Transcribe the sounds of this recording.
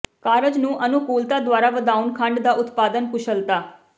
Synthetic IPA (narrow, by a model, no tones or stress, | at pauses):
kaːɾəd͡ʒnũːʔənukuːlt̪aːd̪waːɾaːʋəd̪aːunkʰə̃ɳɖd̪aːʊt̪paːd̪ənpʊʃʰəlt̪aː